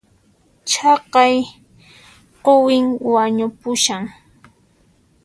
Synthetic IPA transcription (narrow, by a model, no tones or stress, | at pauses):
t͡ʃɑqɑj | qowɪŋwaɲʊpʊʃaŋ